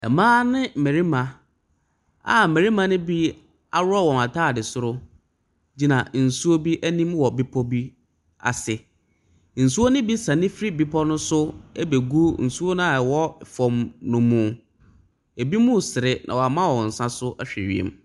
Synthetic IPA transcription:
ɛ̰˨mãː˦nɪ̃˦m̩˨me˨ɾi˦mã˨ | a̰˨m̩˨me˨ɾi˦mã˨nʊ̃˦bi˦ | a˦ɾʊ˦ɔ˦wɔ̃˨ma˨tʰaː˦˨dɪ˨sʊ˦ɾʊ˦ | d͡ʑi˦nã˨n̩˨su˦o˦bi˦ʔæ˦nĩ˦mwɔ˨bi˦pʰɔ˦bi˦ | a̰˨sɪ˨ | n̩˨su˦o˦nʊ̃˦bi˦sã˨nɪ̃˦fɪ˦ɾi˦bi˦pʰɔ˦nʊ̃˦sʊ˦ɛ˦be˨ɡu˦n̩˨su˦o˦nʊ̃˦a˨ɛ˨wɔ˦˨fɔ˨mnʊ̃˨mʊ̃˨ | e˨bi˦mʊ̃˦˨sɪ˨ɾɪ˦nʔã̰˨wɔ˨a˨mã˦wɔ˨n̩˨sã˦sʊ˦ʔæ˦ɕᶣɛ̰˨ɥḭ˨ḛ˨m

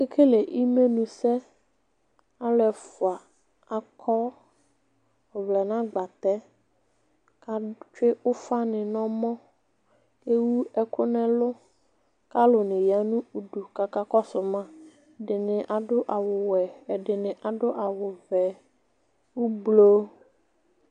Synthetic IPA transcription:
e˦kʰe˦le˨ʔi˦me˦nũ˨sɛ˦ | a˦lɛ˨fʊ˨a˨ | a˨kʰɔ˦ | ʊ˨vlɛ˨nã˦ɡ͡ba˨t̪ɛ˦ | ka˦t͡ʃe˦ʊ˦fa˦nɪ̃˨nɔ̃˦mɔ̃˦ | ke˦wu˦ɛ˦kʊ˦nɛ̃˨lʊ˦ | ka˦lʊ˨nɪ̃˨ja˨nũ˦u˨ɖu˨ka˨ka˦kɔ˦sʊ˨mã˦˨ | ɖɪ˨nɪ̃˨ʔa˨ɖʊ˦ʔa˨wʊ˨wɛ˨ɛ˨ɖɪ˨nɪ̃˨ʔa˨ɖʊ˦ʔa˨wʊ˨vɛ˨ | wu˦blo˦

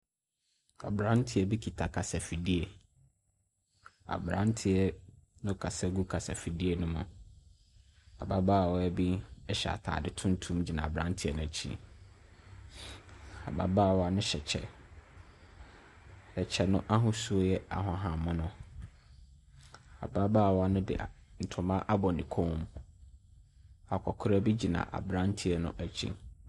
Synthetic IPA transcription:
a̰˨bɾã˦n˦tʰɪ˦ɛ˨bi˦kʰi˨tʰa˨kʰa˨sɛ˨fi˨di˦e˨ | a̰˨bɾã˦ntʰɪ˨ɛ˦nʊ̃˦kʰa˨sɛ˦ɡu˦kʰa˨sɛ˨fi˨di˦e˨nʊ̃˦mʊ̃˨ | a̰˨ba˦ba˦˨wɔ˦ɛ˦bi˦ɛ˦ɕɛ̰˨a̰˨tʰa̰ː˨dɪ˨tʰʊ̃˦n˦tʰũ˦md͡ʑi˨nã˨a˨bɾã̰˦ntʰɪ˦ɛ˨nʊ̃˨æ˨t͡ɕʰḭ̃˦ | a̰˨ba̰˨˦baː˦˨wɔ˨˦a˦nʊ̃˦ɕɛ˨t͡ɕʰɛ̰˦ | ɛ˨t͡ɕʰɛ˦nʊ̃˦ʔa˦ɦʊ̃˨su˦o˦jɛ˦a̰˨ɦɔ̃˨ɦã˨mʊ̃˦nʊ̃˦ | a̰˨ba˦baː˦˨wa˦nʊ̃˦dɪ̰˨n̩˨tʰʊ˨mã˦ʔa˦bɔ˨nĩ˨kʰõ˦m | a˨kʷʰɔ˨kʰʊ˦ɾæ˦bi˦d͡ʑi˨nã̰˨ʔa̰˨bɾã˦ntʰi˦ɛ˨nʊ̰̃˦ʔæ˨t͡ɕʰḭ̃˦

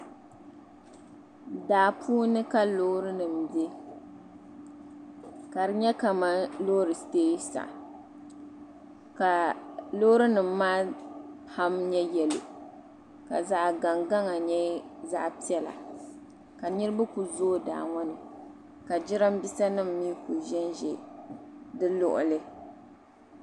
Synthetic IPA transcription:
daː˨pʰuː˦nɨ˦ka˦lo˦ɾɨ˦nɨ˨mbe˦ | ka˨ɾɨ˨ɲɛ˦ka˨ma˦lo˦ɾɨ˨teː˦sa̰˨ | ka˨lo˦ɾɨ˦nɨ˨m̩ː˦aː˦ha˦mɲɛ˦jɛ˨lo˨ | ka˨za˦ʔɡa˨ŋɡa˦ŋa˨ɲɛ˦za˦ʔpi˦ɛ˦la̰˨ | ka˨nɨ˦ɾɨ˦ba˦ku˨zoː˦˨da̰ː˨ŋɔ˦nɨ˨ | ka˨d͡ʒɪ˦ɾɨ˦m˦bi˦sa˦nɨ˦mː˦i˦ku˨ʒɛ˦nʒɛ˨ | dɨ˦lʊ̰˦˨ʔʊ̰˨lɨ˦

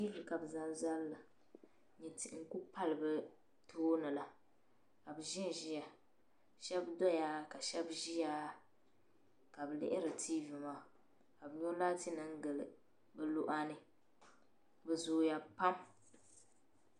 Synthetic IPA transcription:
ti˦vɨ˨ka˨bɨ˨za˦n˦za˦lla˨ | ɲi˨nti˨˦ŋ̩˦ku˦pa˦lɨ˨bɨ˦ | tʰoː˦nɨ˨la˨ | ka˨bɨ˨ʒɪ˦˨ʒi˦ja˨ | ʃɛ˦bdɔ˦jaː˦ka˨ʃɛ˦bʒi˦ja˦ | ka˨bɨ˨lɪ̰˦ʔɪ˦ɾɨ˨tʰiː˦vɨ˨maː˨ | ka˨bɨ˨˦ɲo˦laː˦ti˦nɨ˦ŋ˦ɡɨ˨lɨ˨ | bɛ˦lo˦ʔa˦nɨ˦ | bɛ˨zoː˦ja˨pa˦m

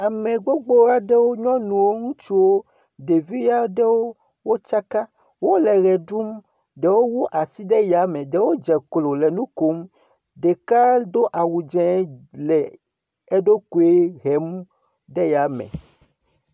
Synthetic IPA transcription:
a˨mẽ˨ɡ͡bo˦ɡ͡bo˦a˦ɖe˦wo˦ɲɔ̃˦nũ˨wo˦ŋũ˦t͡ʃi˦wo˦ | ɖe˨vi˦ja˦ɖɛ˦wo˦ | wo˦t͡ʃa˦ka˦ | wo˦lɛ˨ɣɛ˨ɖu˦m | ɖe˨wo˦wu˦ʔa˨si˦ɖɛ˦ja˨mẽ˨ɖe˨wo˦d͡ʒɛ˨klo˨le˨nũ˦ko˨˦m | ɖe˨ka˦d̪o˦ʔa˨wu˨d͡ʒɛ̃˨˦lɛ˨ | e˦ɖo˦ku˨e˦ɣɛ˨mu˦ | ɖe˦ja˨mḛ̃˨

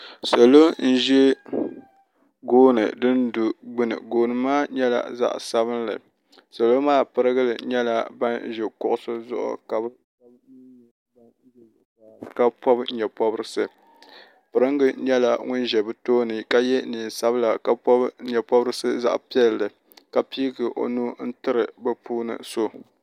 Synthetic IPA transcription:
so˨lo˦n̩˦ʒɛ˦ | ɡoː˦nɨ̰˨dɨ˦ndu˨ɡ͡bɨ˦nɨ̰˨ɡoː˨nɨ˨maː˦ɲɛ˦la̰˨za̰˦ʔsa˦βɨ˦nlɨ̰˨ | so˨lo˦maː˦pɨ˨ɾɨ˦ɡɨ˦lɨ˨ɲɛ˦la˨ba˦n˦ʒɛ˨kʊ˦˨ʔʊ˦˨sɨ˦zʊ̰˦ʔʊ̰˨ka˨b | b | b | a˨ka˦pɔ˦bɲɛ˨pɔ˦bɾɨ˦sɨ˦ | pɨ˨ɾɨ˦ŋɡɨ˦ɲɛ˦la˨ŋʊ˦nʒɛ˨bɨ˦toː˦nɨ˨ka˦jɛ˦niː˨n˨sa˦bɨ˦la˨ka˦pɔ˦ɲɛ˨pɔ˦bɨ˦ɾɨ˦sɨ˦za̰˦ʔpi˦ɛ˦llɨ˨ | ka˨pi˦ɡɨ˨ʔo̰˨nu˦n̩˦tɨ˦ɾɨ˨bɨ˦pʰuː˦nɨ̰˨so˦

